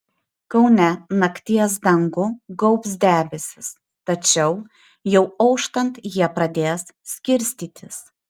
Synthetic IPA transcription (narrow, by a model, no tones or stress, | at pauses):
kɐʊnʲɛnɐkt̪ʲiɛs̬d̪ɐŋɡʊɡɔʊps̬d̪ʲæːbʲɛsʲɪs | t̪ɐt͡ʃʲɛʊ | jɛʊɐʊʃt̪ɐnt̪jiɛpɾɐd̪ʲeːssʲkʲɪɾʲsʲt̪ʲiːt̪ʲɪs